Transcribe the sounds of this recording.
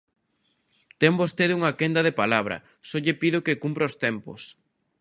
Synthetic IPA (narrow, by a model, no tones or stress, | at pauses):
t̪embost̪eðuŋɐkend̪ɐðepalaβɾɐ̰ | sɔʎɪpiðʊkɪkumpɾɐost̪ɛmpo̰s